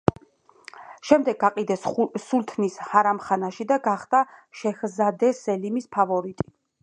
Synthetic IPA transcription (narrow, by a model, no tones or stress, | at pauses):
ʃɛmd̪ɛɡːaqʼid̪ɛssult̪ʰnishaɾamχanaʃid̪aɡaχd̪aʃɛxzad̪ɛsɛlimispʰavɔɾit̪ʼi̥